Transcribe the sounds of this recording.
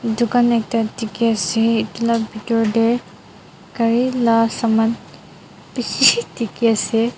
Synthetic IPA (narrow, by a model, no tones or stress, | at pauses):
dukanɛk̚tatikiasɛːtlabitɔɹdɛɹ | kaɹilasaman | pit͡ʃʰitikiasɛ